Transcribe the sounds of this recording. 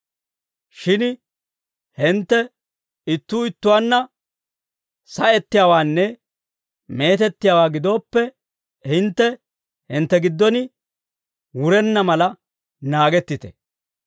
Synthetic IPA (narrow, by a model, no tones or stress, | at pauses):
ʃɪn | hɪnt̪ːɛ | ɪt̪ːuːɪt̪ːʊwaːnːɐ | sɐɛt̪ːɪjaːwaːnːɛ | me̞ːt̪ɛt̪ːɪjaːwaːɡɪd̪o̞ːpːɛ | hɪnt̪ːɛ | hɪnt̪ːɛɡɪd̪ːɔnɪ | wʊɾɛnːɐmɐlɐ | naːɡɛt̪ːɪt̪ɛ̥̰